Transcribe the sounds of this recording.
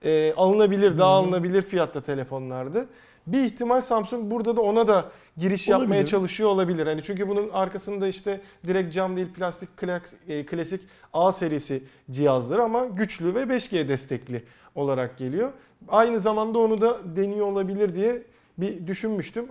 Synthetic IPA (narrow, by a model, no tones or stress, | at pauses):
ɛːʔalˠɯnabilʲiɾd̪aɦːlˠɯnabilʲiɾfijat̪lat̪ʰe̞lʲefo̞nlˠaɾd̪ɯ | biːçt̪ʰimalʲsamsuŋk̚buɾd̪ad̪ao̞nad̪a | ɟiɾiʃjapmaajat͡ʃʰalˠɯʃɯjo̞olˠabilʲiɾhanit͡ʃʰyɲcybununaɾkʰasɯnd̪aiʃt̪ʰɛd̪iɾɛc̚t̪̚d͡ʒamd̪eilʲpʰlʲast̪ʰic̚ʲkʰlʲakʰlʲasic | aːse̞ɾijesi | d͡ʒijazlˠaɾɯamaɟyt͡ʃlʲyvɛbɛʃcejɛd̪ɛst̪ʰɛclʲɪ | o̞lˠaɾak̚ɟe̞lʲijo̞ | ajnɯzamand̪ao̞nud̪ad̪e̞nijo̞olˠabilʲiɾd̪ijɛ | bid̪yʃynmyʃt̪ʰym